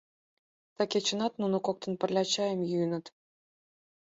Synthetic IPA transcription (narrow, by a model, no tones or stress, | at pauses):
t̪ɑkʲet͡ɕɤ̆nɑt̪nunŏkok̚t̪ɤ̆npə̆rʲlʲɑt͡ɕɑjə̆mjyjənɤ̆t̪